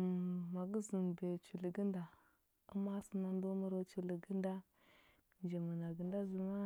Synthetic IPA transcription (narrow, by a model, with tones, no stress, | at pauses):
ma˨ɡi˦zi˨n˨be˨t͡ʃu˨li˨ɡi˦nda˨ | ṵ˦ma˦si˦na˦n˦do˦mu˦ɾa˦t͡ʃu˨li˨ɡi˦nda˦ | nd͡ʒe˨ma˨na˨ɡə˨nda˦zu˨ma˦